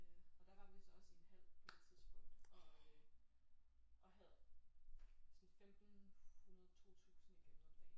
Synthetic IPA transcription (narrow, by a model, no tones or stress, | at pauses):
ɒ̽d̥ɑ̈ʋɑ̈isɒ̽senhæl̰t͡sʰiðˠsb̥ɔ̽ŋ̰d̥ | ʔɒ̽ɦæð̞ˠ | sɒ̽nfemd̥n̩hunɐð̞̩ˠt͡sʰo̝̰ːt͡sʰṵːsn̩ikʰed̥ɐfe